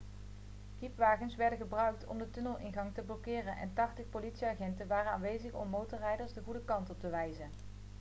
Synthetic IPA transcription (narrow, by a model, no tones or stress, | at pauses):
kipʋaːχənsʋɛɹdənɣəbrœɥk̚tʰɔ̰mdətɵnəlˠʔɪnχɑŋtəblɔkɪːrənʔɛ̰ntɑχtəχpolitsiaːχɛntənʋaːrənaːnʋejzəχɔ̰mːowtɔɹrɛjdəɹsdəχudəkɑntɔp̚təʋɛjzən